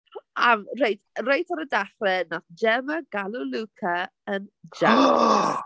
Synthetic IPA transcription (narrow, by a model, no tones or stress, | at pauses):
amrejtʰrejtɔɾədaχrɛnasd͡ʒɛməɡ̥alulukʰə | ənd͡ʒa